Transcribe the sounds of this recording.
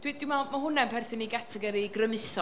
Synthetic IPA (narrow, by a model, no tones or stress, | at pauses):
d̥wiːdɪmamaɦʊnɛmpʰɛrθɪniɡatʰɛɡɛɾiɡrəmɪsɔ